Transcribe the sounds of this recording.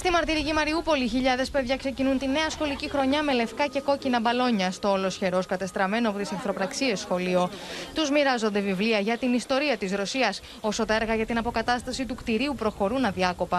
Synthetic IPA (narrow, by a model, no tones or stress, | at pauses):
st̪imɐɾt̪iɾicimɐɾiupo̞liːçiʎɐðe̞spe̞ðʝɐkse̞cinunt̪ine̞ɐsxo̞licixɾo̞ɲɐme̞le̞fkɐce̞ko̞cinɐbɐlo̞ɲɐst̪o̞ːlo̞sçe̞ɾo̞skɐt̪e̞st̪ɾɐme̞noɐpo̞t̪isɐnθɾo̞pɾɐksie̞sːxo̞lio̞t̪uzmiɾɐzond̪e̞vivliɐʝɐt̪inist̪o̞ɾiɐt̪izɾo̞siɐs | o̞so̞t̪ɐeɾɣɐʝɐt̪inɐpo̞kɐt̪ɐst̪ɐsit̪ukt̪iɾiupɾo̞xo̞ɾunɐðiɐko̞pɐ